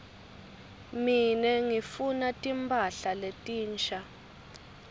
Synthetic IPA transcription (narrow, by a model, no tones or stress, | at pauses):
minɛŋifunatʼimpʰʼaɬaletʼiːnt͡ʃʰʼa